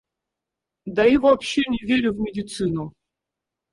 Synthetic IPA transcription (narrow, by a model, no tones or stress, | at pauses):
d̪aivɐɐpɕːenʲɪvʲeɾʲʊvmʲɪdʲɪt̪sɨnʊ